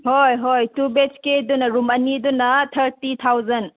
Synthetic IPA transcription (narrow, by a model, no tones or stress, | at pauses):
hojɦojtubet͡ʃkedunɐɾumɐnidunɐtʰɐɾtit̪ʰawzɐn